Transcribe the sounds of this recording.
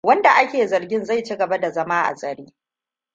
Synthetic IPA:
wɐ˦nda˨ʔa˦kʲeː˨zɐ˨rɡʲɪ˦nza˦˨jt͡ʃi˦ɡɐ˨ba˦da˨zɐ˦maː˦ʔa̰˨sʼɐ˨ɽeː˦

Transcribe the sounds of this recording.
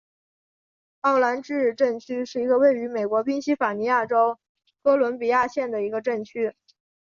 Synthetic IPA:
ɑ˥˩ʊla˧˥nʈ͡ʂɻ̩˥ɻ̩˧ʈ͡ʂə˥˩ŋt͡ɕʰy˥ʂɻ̩˥˩i˧˥ɡə˧we˥˩ɪy˧˥me˨˩ɪkwɔ˧˥pi˥nɕi˥fa˨˩ni˧˥ja˥˩ʈ͡ʂo˥ʊ | kɤ˥lwə˧˥npi˨˩ja˥˧ɕjɛ˥˩nd̪ə˩i˧˥ɡə˧ʈ͡ʂə˥˩ŋt͡ɕʰy˥

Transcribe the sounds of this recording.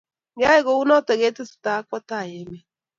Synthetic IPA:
ŋɡa˦ɪ˦ɣo˨˦u˦nɔ˦tɛ˨ɣe˦tɪ˦sɪ̥˨ta˨˦kɔ˦ta˦˨je˨˦me˦

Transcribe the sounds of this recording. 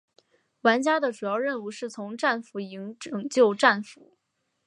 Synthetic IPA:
wa˧˥nt͡ɕja˥d̪ə˨ʈ͡ʂu˨˩jɑ˥˧ʊɻə˥˧nu˧˥ʂɻ̩˥˩t͡sʰʊ˧˥ŋʈ͡ʂa˥˩nfu˧˥i˧˥ŋʈ͡ʂɤ˨˩ŋt͡ɕjo˥˧ʊʈ͡ʂa˥˩nfu˧˥˦

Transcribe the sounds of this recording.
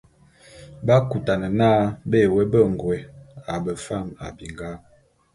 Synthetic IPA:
ba˦ku˨ta˨nə˨naː˦be˦˨we˦bə˦˨ŋ˨ɡwe˨a˨bə˨fa˦˨ma̰˨bi˨ŋɡa˦m

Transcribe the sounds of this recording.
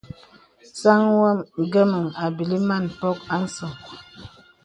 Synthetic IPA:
sa˦ŋwa˦mɡə˦mə˨ŋa˨bi˨li˦ma˦˨n˨pɔ˦k̚a˦n̩˦sɔ˨ŋ

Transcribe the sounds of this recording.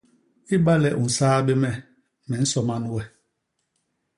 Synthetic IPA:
i˦ɓa˦lɛ˨ʔu˨n̩˨saː˦ɓe˦mɛ˦ | mɛ˨n̩˦sɔ˨ma˦n˦wɛ˦˨

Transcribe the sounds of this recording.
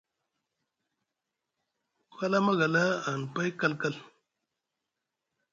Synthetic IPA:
fa˦la˦ma˦ɣa˨la˦a˨n˨pa˦jka˦lka˦l

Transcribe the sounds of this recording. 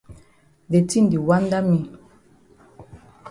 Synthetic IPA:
de˨tĩ˦n˨di˨wã˦nda˦mi˨

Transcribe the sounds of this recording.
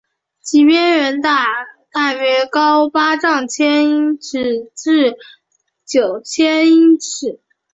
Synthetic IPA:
t͡ɕi˨˩mjɛ˥nɥɛ˧˥nt̪a˥˩t̪a˥˩ɥɛ˧˥˩kɑ˥ʊpa˥ʈ͡ʂɑ˥˩ŋt͡ɕʰjɛ˥ni˥ʈ͡ʂɻ̩˥˧˥ʈ͡ʂɻ̩˥˩ | t͡ɕjo˨˩ʊt͡ɕʰjɛ˥ni˥ʈ͡ʂɻ̩˨˩˦

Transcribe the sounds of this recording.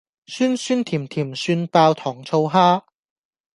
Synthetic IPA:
syː˥nsyː˥nt̪ʰiː˨˩mt̪ʰiː˨˩msyː˧npaː˧wt̪ʰɔː˨˩ŋt͡sʰo˧wɦaː˥

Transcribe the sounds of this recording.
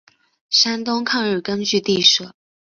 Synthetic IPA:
ʂa˥nt̪ʊ˥ŋkʰɑ˥˧ŋɻ̩˥˩kə˥nt͡ɕy˥˧t̪i˥˧ʂɤ˥˩

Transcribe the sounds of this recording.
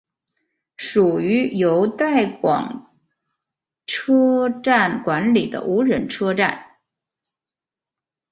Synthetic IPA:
ʂu˨˩y˧˥jo˧˥ʊt̪a˥˩ɪkwɑ̰˨˩ŋ | ʈ͡ʂʰɤ˥ʈ͡ʂa˥˩nkwa˧˥nli˨˩d̪ə̰˦ʔu˧˥ɻə˧˩nʈ͡ʂʰɤ˥ʈ͡ʂa̰˥˩n

